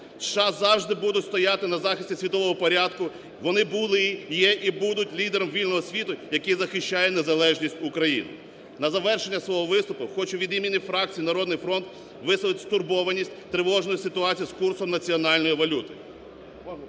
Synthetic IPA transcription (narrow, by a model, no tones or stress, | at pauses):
ʃɑzɑwʒd̪ɪbud̪ʊtʲst̪ɔjat̪ɪnɐzɑxɪsʲtʲisʲʋʲit̪ɔʋɔɦɔpɔɾʲad̪kʊ | ʋɔnɪbʊlˠɪjɛʔibud̪ʊtʲlʲid̪eɾɔmʋʲilʲnɔɦɔsʲʋʲit̪ʊjɐkizɐxɪʃʲt͡ʃːajɛnezɐlˠɛʒnʲisʲtʲʊkɾɐjḭnɪ̰ | nɐzɐʋɛrʃenʲːɐsʋɔɦɔʋɪst̪ʊpʊxɔt͡ʃʊʋʲid̪imʲinʲifɾɑk̚t͡sʲijnɐɾɔd̪nɪjfɾɔnt̪ | ʋɪsɐʋˠɪtʲst̪ʊrbɔʋɐnʲisʲtʲt̪ɾɪʋɔʒnɔjisɪt̪ʊɑt͡sʲijiskursɔmnɐt͡sʲiɔnɑlʲnɔjiʋɐlʲut̪ɪ